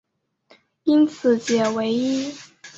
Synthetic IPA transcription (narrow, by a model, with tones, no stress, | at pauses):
i˥nt͡sʰɹ̩˨˩˦t͡ɕjɛ˨˩we˧˥ɪi˥